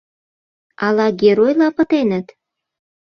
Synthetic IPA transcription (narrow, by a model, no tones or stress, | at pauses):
ɑlɑɡeɾojlɑpə̆t̪enət̪